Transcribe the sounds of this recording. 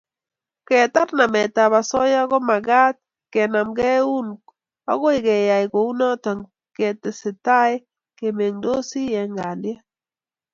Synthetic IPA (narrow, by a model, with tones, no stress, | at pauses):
kɛ˨t̪a˦ɾna˨mɛ˨t̪a˨ba˨sɔ˦ja˦ɡɔ˦ma˨ɡa˦t̪̚ | kɛ˨na˨mɡɛ˦u˦nk | ɔ̰˦ɡɔ˦ɪ˨ɡɛ˨ja˨ɪ˨ko˨u˦nɔ˦tɔ˨ŋ | ke˨tɪ˨sɪ˨ta˦j | ke˨me˨ŋdo˦si˦jɛ˨ŋɡa˨nɪ˦ɛ˦